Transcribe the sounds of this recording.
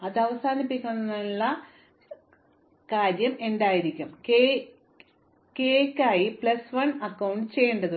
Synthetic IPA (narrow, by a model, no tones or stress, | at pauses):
ɐðɐʋɐsaːnipːikʲːunːiɭːɐ | kaːɾjɐme̞ndaːjiɾikʲːumke | kekʲːaːjipɭɐsʋɐnɐkːɐwɳɖɨt͡ɕe̞jːeɳɖɐðɨ